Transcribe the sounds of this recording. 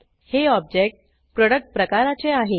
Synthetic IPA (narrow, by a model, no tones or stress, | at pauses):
heɔb̚d͡ʑek̚ʈ | pɾɔɽək̚ʈ̚pɾəkaɾat͡seaɦe